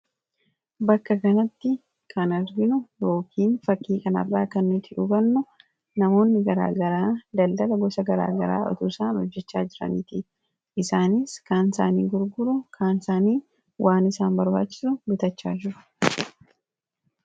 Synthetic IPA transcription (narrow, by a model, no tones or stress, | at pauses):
bɐkːɐkɐnɐt̪ːɪ | kʰɐnɐɾɡɪnʊjo̞ːkʰiːnfɐkːiːkʼɐnɐ̰rːaːkɐnːɪt̪ʰɪʔʊɡɐnːʊ | nɐmo̞ːnːɪɡɐɾa̰ːɡɐɾaːd̪ɐld̪ɐlɐɡɔsɐɡɐɾa̰ːɡɐɾa̰ːʔɔ̰t̪usaːnhɔd͡ʒːɛt͡ʃːaːd͡ʒɪɾɐ̰nɪːt̪ɪ | ʔɪsaːnɪskaːnsaːnḭːɡʊɾɡʊɾʊkʰaːnsaːniː | wʔaːnɪsaːnbɐɾbaːt͡ʃːɪ̥sʊbɪt̪ɐt͡ʃːa̰ːd͡ʒɪɾʊ̥